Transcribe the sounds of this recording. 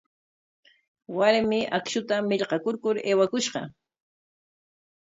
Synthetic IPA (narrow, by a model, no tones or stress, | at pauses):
waɾmɪʔakʃʊt̪amɪʎqɑkʊɾkʊɾeːwakʊʃɢɑ̰